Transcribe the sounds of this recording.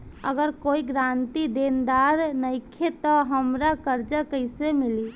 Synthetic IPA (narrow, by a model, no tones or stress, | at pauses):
ə̰ɡəɾkoiɡɾant̪id̪end̪aɾnəɪkʰet̪ɔɦəmɾakəɾd͡ʒəkəɪsemili